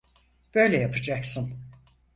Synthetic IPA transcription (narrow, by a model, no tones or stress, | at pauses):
b̥ø̞jlʲɛjapʰɯd͡ʒaksɯn